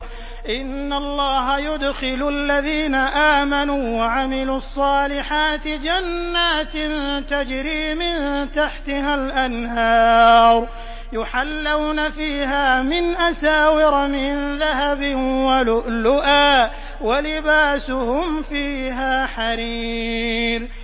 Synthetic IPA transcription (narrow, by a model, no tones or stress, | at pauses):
ʔɪnːalˤːɑːɦajʊd̪xɪlʔalːaðiːnaʔaːmanuːwaʕamɪluːɑsˤːɑːlɪħaːt̪ɪd͡ʒanːaːt̪nt̪ad͡ʒɾiːmɪnt̪aħt̪ɪɦalʔanhɑːɾˤ | jʊħalːawnafiːɦaːmɪnʔasaːwɪɾˤmɪnðaɦabɪwalʊʔlʊʔaː | walɪbaːsʊhʊmfiːɦaːħaɾiː | ɾ